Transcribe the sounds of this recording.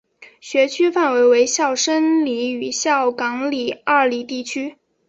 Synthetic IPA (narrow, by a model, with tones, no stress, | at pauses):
ɕɥɛ˧˥t͡ɕʰy˥fa˥˩nwe˧˥ɪwe˧˥ɪɕjɑ˥˩ʊʂə˥nli˧˥y˨˩ɕjɑ˥˩ʊkɑ˧˥ŋli˨˩a˥˩li˨˩t̪i˥˩t͡ɕʰy˥